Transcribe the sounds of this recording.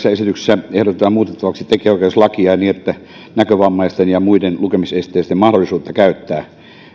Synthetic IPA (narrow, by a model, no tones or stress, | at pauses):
sːæesit̪ykse̥sːæehɾot̪et̪ɑmmuːt̪et̪ːɑʋɑksit̪ekˑeːoˑikeslɑkiɑiniːet̪ːæ | nækøʋɑmːɑist̪enjɑmuidenlukemisest̪ˑeˑːst̪emɑhdolːˑisuːt̪ːɑkæyt̪ːæː